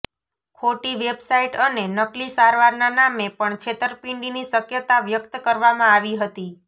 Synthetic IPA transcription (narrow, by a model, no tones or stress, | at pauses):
kʰoʈiʋebsaiʈənenəklisaɾʋaɾnanamepəɳt͡ʃʰet̪əɾpĩɳɖinisəkjət̪aʋjəkt̪kəɾʋamãaʋiɦət̪i